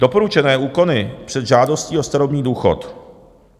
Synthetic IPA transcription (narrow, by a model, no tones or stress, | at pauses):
d̥o̞po̞ɾut͡ʃɛnɛːʔuːko̞nɪpr̝̥ɛd̪ʒaːdo̞sciːost̪aɾobɲiːduːxo̰t̪